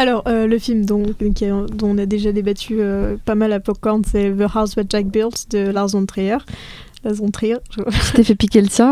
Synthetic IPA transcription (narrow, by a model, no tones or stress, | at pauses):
alɔʁøləfilmd̪ɔ̃kʲĩd̪ɔ̃ɔ̃nad̪eʒad̪ebat̪ʰyøpamalapɔkːɔʁnsɛvəʁaswad͡ʒak̚biʁlt̪d̪əlaʁzɔ̃t̪χejœʁ | laʁzɔ̃t̪χijʁʒəset̪efɛpikʲeləsɛ̃